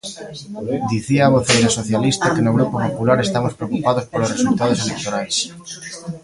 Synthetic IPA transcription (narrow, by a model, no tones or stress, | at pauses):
d̪iθiaːβoθejt̪asoθjalist̪akenoɣ̞ɾupopopulaɾest̪amospɾeokupaðospoloresult̪aðoselekt̪onajs